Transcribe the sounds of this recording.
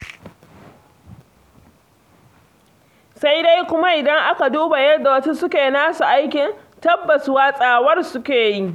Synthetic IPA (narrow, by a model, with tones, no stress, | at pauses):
sa˦jda˦jkʷʊ˦ma˦ʔɪ˨dɐ˦ŋʔa˦ka˨duː˦ba˨jɐ˦rda˨wɐ˦tu˦sʊ˦kʲeː˨naː˦su˨ʔa˦jkʲɪ˨n | tɐ˦bːɐ˨sʊ˦waː˦sʼaː˨wɐ˦rsʊ˦kʲeː˨ji˦